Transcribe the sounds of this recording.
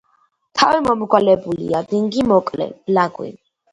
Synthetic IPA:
t̪ʰavimɔmɡwalɛbulḭad̪iŋɡimɔkʼlɛ̰b̥laɡwḭ

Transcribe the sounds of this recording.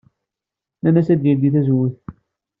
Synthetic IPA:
nænæsæd̪jæd̪iθæzwːiθ

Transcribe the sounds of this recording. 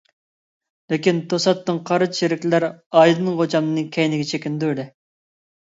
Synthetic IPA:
lɪkʲint̪ʰosɑt̪ːɨŋqʰɑɾɨʃeɾɪkʲllæɾɑjd̪ɨnɨŋʁot͡ʃɑmnɨkʲʰɛjnɪɡʲɛt͡ʃʰekʲɪnd̪uɾd̪ɪ

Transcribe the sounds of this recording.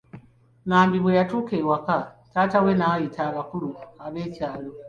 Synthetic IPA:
naːmbiβwejatukewakatatawenajitaβakuluaβecaːlo

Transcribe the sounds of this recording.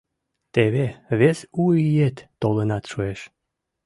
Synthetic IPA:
t̪eβeβesuijet̪ːolənɑt̪ʃueʃ

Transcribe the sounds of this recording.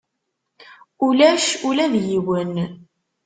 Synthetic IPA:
ulæʃulæðjiwən

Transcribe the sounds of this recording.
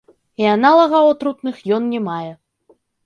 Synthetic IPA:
ianalˠɐɣɐɔt̪ɾut̪nɨxjɔnnʲɛmajɛ

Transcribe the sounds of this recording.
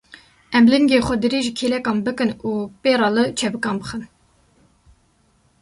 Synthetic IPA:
ʔɛmlɨŋɡeːxʷɛd̪ɨɾeːʒikʰelɛkɑːnbɨkɨnuːpeːɾɑːlɨt͡ʃʰɛbɨkɑːnbɨxɨn

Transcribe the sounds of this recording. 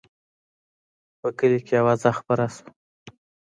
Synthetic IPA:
pəkəlikeawazaxpaɾasə̥

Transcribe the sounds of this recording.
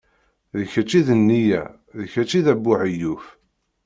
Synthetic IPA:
ðəçæt͡ʃːiðənːijæ̰ | ðəçæt͡ʃːiðæbːuʕijuf

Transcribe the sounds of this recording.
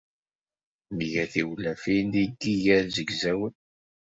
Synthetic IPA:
mʝæθiwlæfind̪iɡiʝæɾzəɡzæwən

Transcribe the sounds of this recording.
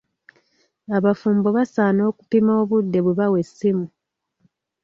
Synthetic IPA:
aβafuːmbo̞βasaːno̞ːku̥pimoːβudːe̞βweβawe̞sːimu

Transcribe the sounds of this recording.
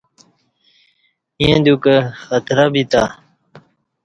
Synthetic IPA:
ĩẽd̪ukəxət̪ɾabit̪a̰

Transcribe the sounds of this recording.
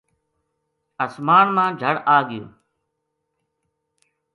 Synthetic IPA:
əsmaːɳmãːd͡ʒʱəɽaːɠɪjṵ̃ː

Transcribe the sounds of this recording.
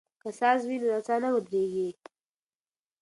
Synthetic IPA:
kasɑzwinoɾat͡sɑnawəd̪ɾeɡi

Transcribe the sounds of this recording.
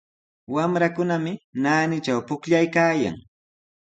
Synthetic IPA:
wamɾakʊnamɪnaːnɪt͡ʃawpʊkʎajkaːja̰ŋ

